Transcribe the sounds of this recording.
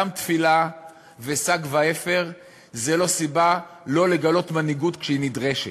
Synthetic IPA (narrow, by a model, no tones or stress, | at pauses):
amt̪fila | vesaɡvaefe̞ʁ | zelo̞sibalo̞le̞ɡalo̞t̪maniɡut̪kʃeinid̪ʁeʃe